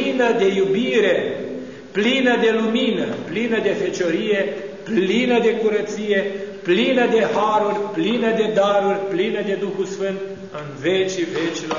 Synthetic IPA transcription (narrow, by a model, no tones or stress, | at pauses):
inəd̪e̞jubiɾe̞ | plinəd̪e̞luminəplinəd̪e̞fet͡ʃoɾije̞ | plinəd̪e̞kuɾət̪sije̞plinəd̪e̞haɾurʲplinəd̪e̞d̪aɾurʲplinəd̪e̞d̪uxulsfɨnt̪̚ | ɨnvet͡ʃivet͡ʃilo